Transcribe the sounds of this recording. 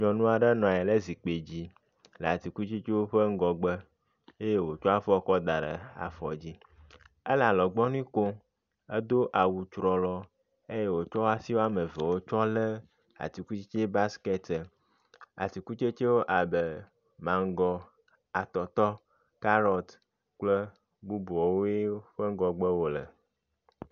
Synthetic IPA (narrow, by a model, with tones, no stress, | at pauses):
ɲɔ̃˨nũ˦a˨ɖe˦nɔ̃˨ɛ˨le˦zi˨k͡pe˨d͡ʑi˦ | lə˨a˨t̪i˨ku˦t͡ʃi˦t͡ʃe˦wo˦ɸə˦ŋ̩˦ɡɔ˨ɡ͡bə˦ | e˦je˦wo˨t͡ʃɔ˦a˦fɔ˦kɔ˦d̪a˨ɖə̰˨a̰˨fɔ̰˨d͡ʑi˦ | e˦la˨lɔ˨ɡ͡bɔ˦nĩ˦ko˦ | e˦d̪o˦ʔa˨wu˨t͡ʃɾɔ˨lɔ˨ | e˦je˦wo˨t͡ʃɔ˦wa˦si˦wo˦a˦me˨ve˨wo˦t͡ʃɔ˦le˦ | a̰˨t̪i˨ku˦t͡ʃi˦t͡ʃe˦ba˦skɛ˦t̪ə˨ | a̰˨t̪i˨ku˦t͡ʃe˦t͡ʃe˦wo˦ʔa˨be˨ | mã˨ŋ˦ɡɔ˦ | a˨t̪ɔ˨t̪ɔ˦ | ka˦ɾɔ˦t̪ | k͡plə˦ | bu˦bu˨ɔ˨wo˦je˦ɸe˦ŋ˦ɡɔ˨ɡ͡be˦wo˦lə̰˨